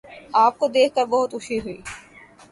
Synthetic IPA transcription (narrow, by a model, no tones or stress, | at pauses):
aːp̚kod̪eːkʰkəɾbɐɦʊt̪ʊʃʰiɦuiː